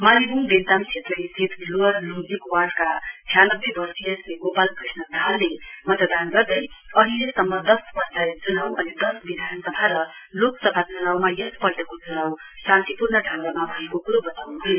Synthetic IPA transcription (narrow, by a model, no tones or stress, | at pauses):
maɾibumb̪ent̪amsʰet̪lʌjst̪ʰit̪loʌrlud͡zikwarɖkat͡sʰjanʌbːebʌrsiʌsleɡopalkrisnʌd̪ʱalːemʌt̪d̪anɡʌrd̪ʌjʌɦilesʌmːʌd̪ʌspʌɾt͡saɾt͡sunawʔʌnid̪ʌsbid̪ʱanʌsʌbʱaɾʌloksʌbʱat͡sunawmajʌst̪pʌɽʈekot͡sunawsãnt̪ipurnʌɖʱawɾamabʱʌjekokuɾobʌt̪awnuɦul